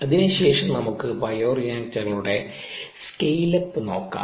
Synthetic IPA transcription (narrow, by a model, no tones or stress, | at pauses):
ɐðinɨɕe̞ːʂɐmnɐmukːɨbɐjoːrijaːntːɐɣɐluɽe̞skejlɐpːɨno̞ːkːa̰ː